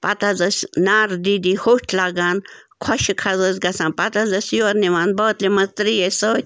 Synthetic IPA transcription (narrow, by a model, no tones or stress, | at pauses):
pɐt̪azɐsnaːɾd̪id̪ihoʈʰlaɡaːnkʰɔʃikʰɐzəzʲɡɐsãːnpɐt̪azɐsʲjoɾniʋaːnbəːt̪limɐst̪ɾijesəːt̪ʲ